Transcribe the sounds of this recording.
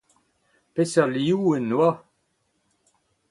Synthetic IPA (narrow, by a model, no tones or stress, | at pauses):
pesaliuenːwa